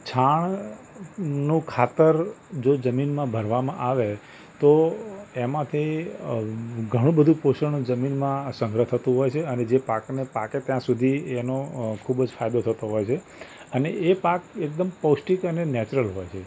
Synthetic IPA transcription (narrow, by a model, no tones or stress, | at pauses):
t͡ʃʰaɳ | nũkʰat̪əɾ | d͡ʒod͡ʒəminmãbʱəɾʋamã̰ʔaʋe | t̪oemãt̪ʰi | ɡʱəɽ̃ũbəd̪ʱũpoʃənũd͡ʒəminmãsə̃ŋɡɾəɦt̪ʰət̪ũɦɔjt͡ʃʰeəned͡ʒepaknepaket̪jãsud̪ʱienokʰubd͡ʒfajd̪ot̪ʰət̪oɦɔjt͡ʃʰe | əneepakek̚d̪əmpəwsʈikənenɛt͡ʃɾəlɦojt͡ʃʰe